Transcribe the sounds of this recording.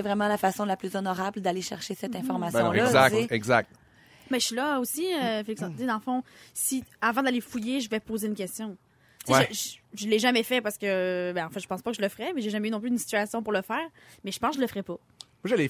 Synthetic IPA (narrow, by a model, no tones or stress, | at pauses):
ɛvʁɛmɑ̃lafasɔ̃laplyzɔnɔʁabld̪aleʃɛʁʃesɛt̪ɛ̃fɔʁmasjjɔ̃lɔzaseɛɡzak̪̚ | bɛsilʌosiøfeliksɑ̃zid̪ɑ̃ləfɔ̃siavɑ̃d̪alefujeʒəvɛpoːzeynkʲɛst̪jɔ̃ | t͡seʒəʒʒəlːeʒamɛfɛpaʁsə̥kəbɛ̃ɑ̃fɛ̃tʒə̥pɑ̃spɔkəʒələfəʁɛmɛʒeʒamɛynɔ̃p̬lyd̪ynsi̥t̪yasjɔ̃puʁləfɛːʁmɛʒə̥pɑ̃skʒələfəʁɛpɔ | mwaʒəlɛ